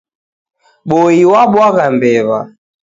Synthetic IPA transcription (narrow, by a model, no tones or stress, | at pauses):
ɓɔiwaɓwaɣambɛβa̰